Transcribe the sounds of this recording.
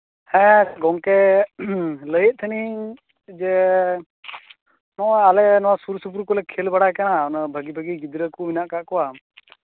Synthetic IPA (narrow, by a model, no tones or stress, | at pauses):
hɛ̃ɡɔŋkɛ | ləjət̪̚t̪ʰəni | d͡ʒɛ | nɔalɛnɔwasuɾsup̬ɾukɔlɛkʰɛlbaɽakanaɔnəbʱəɡibʱəɡiɡid̪ɾəkuminaʔkaʔkɔwa